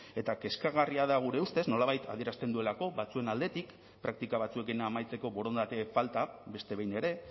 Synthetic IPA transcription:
e̞t̪ake̞skaɣariaðaɣ̞uɾe̞ust̪e̞zno̞laβ̞ajt̪a̰ð̞ie̞ɾast̪e̞nd̪ue̞lako̞βat͡sue̞nald̪e̞t̪ik | pɾak̚t̪ikaβ̞at͡sue̞kinaːmajt͡se̞ko̞βo̞ɾo̞nd̪at̪e̞falt̪abe̞st̪e̞βe̞jne̞ɾe̞

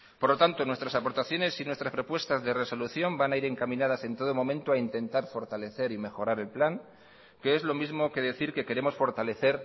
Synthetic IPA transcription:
poɾlo̞t̪ant̪onwe̞st̪ɾasapo̞ɾt̪aθjo̞ne̞sinwe̞st̪ɾaspɾo̞pwe̞st̪azðere̞so̞luθjo̞mbanaiɾe̞ŋkamĩnað̞ase̞nt̪o̞ð̞omo̞mẽ̞nt̪oaint̪e̞nt̪aɾfo̞ɾt̪ale̞θe̞ɾime̞xo̞ɾaɾe̞lplaŋ | ke̞ezlo̞mizmo̞ke̞ðe̞θiɾke̞ke̞ɾe̞mo̞sfo̞ɾt̪ale̞θe̞ɾ

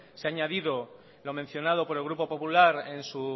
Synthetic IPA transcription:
seaɲaðiðo̞ | lo̞mẽn̟θjo̞nað̞o̞po̞ɾelɣ̞ɾupo̞po̞pulaɾe̞nsu

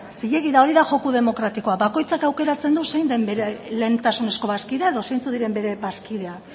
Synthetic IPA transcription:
siʎe̞ɣiðao̞ɾiðaʝo̞kuðe̞mo̞kɾat̪iko̞abako̞jt͡sakawke̞ɾat͡se̞nd̪use̞jnd̪e̞mbe̞ɾe̞le̞ːnt̪asune̞sko̞βaskiðe̞aeðo̞sejnt͡suðiɾe̞mbe̞ɾe̞βaskiðe̞ak

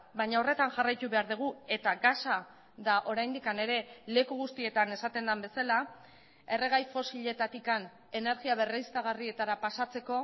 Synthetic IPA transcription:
baɲao̞re̞t̪anʝarajt̪uβe̞aɾðuɣ̞ue̞t̪aɣasa | ðaʔo̞ɾajnd̪ikane̞ɾe̞le̞kuɣ̞ust̪ie̞t̪ane̞sat̪e̞nd̪ambe̞sala | e̞re̞ɣ̞ajfo̞siʎe̞t̪at̪ikan | e̞ne̞ɾɣiaβ̞e̞reist̪aɣ̞arie̞t̪aɾapasat͡se̞ko̞

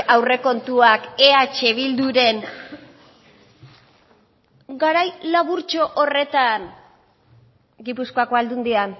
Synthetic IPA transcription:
awre̞ko̞nt̪uake̞at͡ʃe̞βild̪uɾe̞n | ɡaɾajlaβuɾt͡ʃo̞ʔore̞t̪an | ɡipuskoako̞ald̪und̪ian

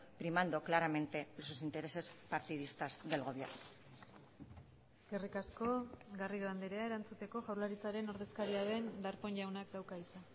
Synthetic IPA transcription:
pɾimand̪oklaɾame̞nt̪e̞lososint̪e̞ɾe̞se̞spaɾt̪iðist̪azðe̞lɣo̞βjḛɾno | esɡe̞rikasko̞ɡariðoand̪eɾe̞ae̞ɾant͡sut̪e̞ko̞ʝawɾlaɾit͡saɾe̞no̞ɾðe̞skaɾiaðe̞nd̪aɾpo̞nʝawnak̚d̪awkaisa

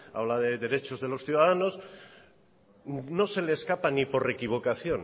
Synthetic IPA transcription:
a̰βlaðe̞ðe̞ɾe̞t͡ʃo̞zðe̞lo̞sθjuðaðano̞s | no̞se̞leːskapanipo̞ɾre̞kiβ̞o̞kaθjo̞n

